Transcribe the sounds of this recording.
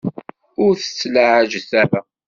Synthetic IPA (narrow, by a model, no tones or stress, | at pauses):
ʊɾθə̥t͡sːlaʕəʒθævæ